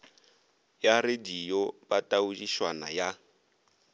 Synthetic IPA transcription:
jaredijɔbatʼaud͡ʒiʃwana̰ja

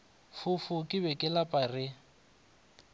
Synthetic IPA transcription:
fʊfʊkʼɪbɛkʼɪlapʼarɪ

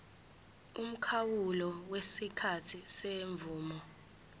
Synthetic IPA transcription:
um̩kʰawulɔwesikʰatʰiseɱvuːmɔ

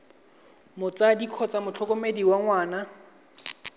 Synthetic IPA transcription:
mʊt͡sadikʰɔt͡sʼamʊt͡ɬʰɔkʊmediwaŋwaːna

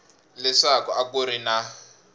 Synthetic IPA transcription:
lɛʂakɔakuɾina

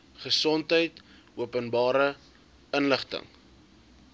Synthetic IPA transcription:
χəsɔntɦəjt | uəpənbɑːɾə | ənləχtə̰ŋ

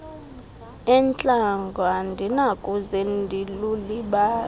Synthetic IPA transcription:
ɛnt͡ɬʼaŋɡʱwandʱinakʼuzendʱiluliɓaː

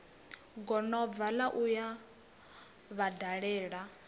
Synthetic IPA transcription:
ɡɔnɔb̪valaʔuja | βadaɺɛːɺa

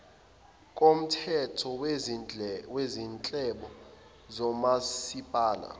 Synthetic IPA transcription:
k̬ʼom̩tʰɛtʰɔw | wezint͡ɬʼɛɓɔ | zɔmasipʼaːla̰

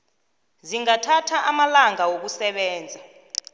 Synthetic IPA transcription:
ziŋatʰatʰaʔamalaŋawok̬usɛɓɛːnd͡zʱa

